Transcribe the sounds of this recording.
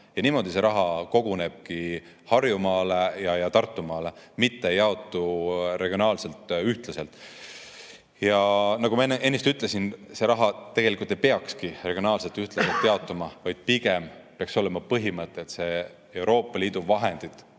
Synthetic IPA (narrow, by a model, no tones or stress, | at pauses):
jɑniːmo̞d̪ise̞ɾʔɑɦɑko̞ɡ̥une̞b̥̚ki | hɑrjumɑːlejɑjɑt̪ɑrt̪ˑːumɑːle̞mit̪ːeejɑo̞t̪ːˑuɾe̞ɡ̥io̞nɑːlse̞lt̪ˑyht̪lɑse̞lt̪ːˑ | jɑnɑɡumɑenʔenːist̪yt̪ːˑle̞sinse̞ɾɑɦɑt̪e̞ɡ̥e̞likult̪ːˑepeɑkskire̞ɡ̥ionɑːlse̞lt̪ːyht̪lɑse̞lt̪ːˑeɑot̪ːˑumɑvɑjd̪̥̚piɡe̞mpeɑkso̞le̞mɑpɤɦimɤt̪ːˑet̪se̞ | e̞wɾo̞ːpˑːɑliːd̪̥uvɑɦe̞nd̪̥it̪ˑ